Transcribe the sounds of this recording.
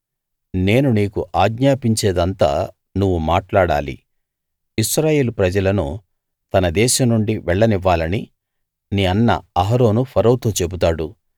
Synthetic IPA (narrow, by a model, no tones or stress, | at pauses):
ne̞ːnuniːkuʔaːɡɲaːpiɲt͡ʃeːd̪ɐnt̪a̰ː | nuʋːumaːʈlaːɽa̰ːlḭ | iʃɾaːje̞ːlupɾɐd͡ʒɐlɐnṵ | t̪ɐnɐd̪ɛːʃɐmnuɳɖiʋɛɭːɐniʋːaːlɐni | niːɐnːɐ̰ɐɦɐɾo̞ːnupʰɐɾɐwt̪o̞ːt͡ʃe̞but̪aːɽu